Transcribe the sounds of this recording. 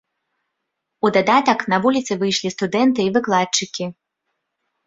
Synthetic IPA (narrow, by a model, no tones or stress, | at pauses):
ud̪ad̪at̪ɐknɐvulʲit̪sɨvɨjʂlʲist̪ud̪ɛnt̪ɨːvɨklˠat͡ʂɨkʲi